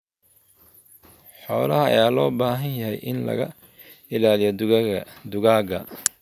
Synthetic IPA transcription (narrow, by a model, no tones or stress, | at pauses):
ħɔːlɐɦɐɐ̰jaːlɔːbaːɦɐnjɐɦɛjʔɪnlɐ̰ɣɐ̰ | ɪlaːlɪjɔdd̪ʊɣaːɡɐ